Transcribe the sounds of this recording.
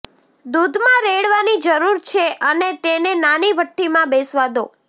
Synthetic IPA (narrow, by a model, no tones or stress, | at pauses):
d̪ud̪mãɾeɭʋanid͡ʒəɾuɾt͡ʃʰeʔənet̪enenaniʋəʈːimãbesʋad̪o